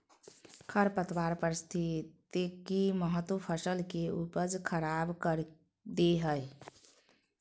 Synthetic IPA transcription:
kʰəɾpət̪waɾpəɾst̪ʰit̪ikiməɦət̪wupʰəsəlkeupəd͡ʒkʰəɾabkəɾ | d̪eɦəj

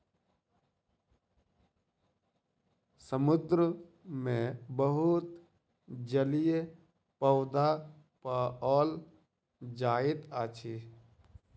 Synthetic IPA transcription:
səmʊd̪ɾəmẽbəɦʊt̪ | d͡ʒəlij | pəʊd̪a | paɔːl | d͡ʒaːɪt̪aːt͡ʃʰi

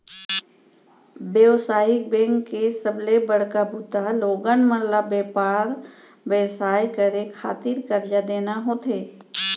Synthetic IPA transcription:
bewsaːɦɪk̚bẽːŋkːesəblebəɽ̤kabʱut̪aloːɡənməlabeːpaːɾ | bɛːsaːjkəɾekʰa̰ːt̪ɪɾkəɾd͡ʒad̪eːnaɦoːt̪ʰeː

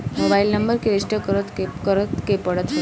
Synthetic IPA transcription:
mobailnəmbəɾkeɾɪsʈəkɾət̪kəɾət̪kepəɽət̪

